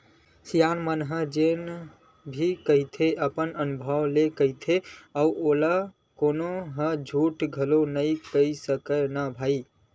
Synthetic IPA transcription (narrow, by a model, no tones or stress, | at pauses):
sijanmənɦə̃d͡ʒen | bʱikəɦit̪ʰeʔəpənənubʱəwlekəɦit̪ʰeauʔola | konoɦə̃d͡ʒʱuʈɡʱəlonəikəisəkənabʱai